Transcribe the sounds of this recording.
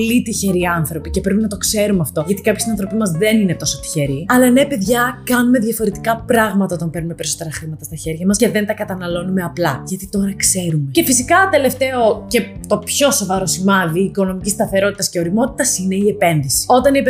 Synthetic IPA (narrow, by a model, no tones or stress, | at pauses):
lit̪içe̞ɾiɐnθɾo̞pice̞pɾepinɐt̪o̞kse̞ɾumeɐft̪o̞ʝɐt̪i̥kɐpçisinɐ̃nθɾo̞pimɐzðenine̞t̪o̞sot̪i̥çe̞ɾiɐlɐnepeðʝɐkɐnume̞ðʝɐfo̞ɾe̞t̪i̥kɐpɾɐɣmɐt̪ɐo̞t̪ɐmpeɾnumepe̞ɾiso̞t̪e̞ɾɐxɾimɐt̪ɐst̪ɐçe̞ɾʝɐmɐsce̞ðe̞nt̪ɐkɐt̪ɐnɐlo̞numeɐplɐʝɐt̪it̪o̞ɾɐkse̞ɾume̞ce̞fisikɐt̪e̞le̞ft̪e̞o̞ce̞ | t̪o̞pço̞sovɐɾo̞simɐðiːko̞no̞micist̪ɐθe̞ɾo̞t̪i̥t̪ɐsceo̞ɾimo̞t̪i̥t̪ɐsine̞iepe̞nðisi̥o̞t̪ɐnip